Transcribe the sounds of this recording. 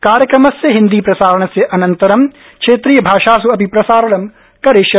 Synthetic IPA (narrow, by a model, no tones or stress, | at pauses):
kaːɾjɐkɾɐmɐsːeɦɪ̃nd̪iːpɾɐsaːɾɐɳ̃ɐseʔɐnɐ̃nt̪ɐɾɐm | kʃeːt̪ɾijɐbʱaːʃaːs̬uɐpipɾɐsaːɾɐɳɐm | kɐɾeʃjɐ